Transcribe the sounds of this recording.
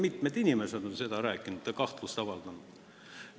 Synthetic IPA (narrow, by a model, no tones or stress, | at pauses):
mit̪med̪inʲimesed̪o̞nse̞d̪̥ɑɾæːkːˑinud̪jɑkɑht̪lust̪ɑvɑld̪̥ɑnud̪̥